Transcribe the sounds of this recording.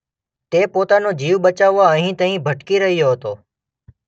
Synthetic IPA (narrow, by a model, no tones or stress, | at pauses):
t̪epot̪anod͡ʒiʋɓət͡ʃaʋːaəɦĩt̪ə̃ɦĩbʱəʈkiɾəɦjoɦət̪o